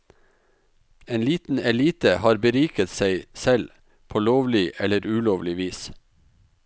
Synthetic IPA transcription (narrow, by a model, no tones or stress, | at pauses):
eːnliːt̪n̩ɛliːt̪əhɑːɾbəɾiːkət̪seɪsɛl | pʰoːloːʋlɪʔɛləɾʉːloːʋlɪʋiːs